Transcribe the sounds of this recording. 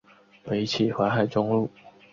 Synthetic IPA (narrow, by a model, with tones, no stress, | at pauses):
pe˧˥ɪt͡ɕʰi˨˩xwa˧˥˦xa˨˩ɪʈ͡ʂʊ˥ŋlu˥˩